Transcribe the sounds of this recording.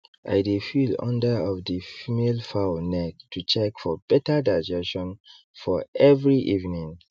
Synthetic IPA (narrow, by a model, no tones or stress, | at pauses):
ʔa̰ɪdefilɔ̰̃ndəɔfdifimelfaʊnɛttʰːut͡ʃɛkfɔbɛtədaɪd͡ʒɛʃɔ̃n | fɔɛvɹiʔivnĩŋ